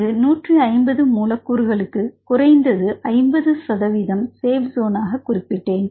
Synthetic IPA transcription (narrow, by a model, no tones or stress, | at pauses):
ɯnuːʈriɐɪmbɐðɯmuːlɐkːuːɾɣɐɭɯkːɯkʊrɐɪnd̪ɐðɯʔɐɪmbɐðɯsɐðɐʋiːðɐmseːʋzoːnaːɣɐkʊrɪpːɪʈːeːn